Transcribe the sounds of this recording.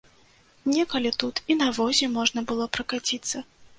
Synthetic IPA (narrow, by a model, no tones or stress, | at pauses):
nʲɛkɐlʲit̪ut̪inɐvɔzʲɛmɔʐnɐbɨlˠɔpɾɐkat͡sʲit̪sːɐ